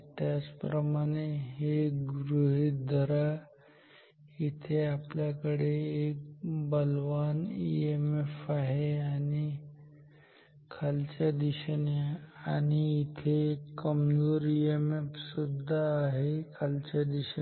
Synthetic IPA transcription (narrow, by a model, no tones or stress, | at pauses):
t̪jaspɾəmaɽ̃eɦeɡɾuɦid̪ʱəɾa | it̪ʰeapljakəɽeːk̚bəlʋaniemefaɦeani | kʰalt͡ɕad̪iɕəneañiit̪ʰekːəmd͡zoːɾiemefsud̪ʱːaːɦekʰalt͡ɕad̪iɕə